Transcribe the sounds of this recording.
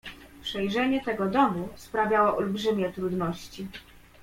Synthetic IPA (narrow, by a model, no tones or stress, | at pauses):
pʂɛjʐɛɲɛt̪ɛɡɔd̪ɔmuspɾavʲjawɔʔɔlbʐɘmʲjɛt̪ɾud̪nɔɕt͡ɕi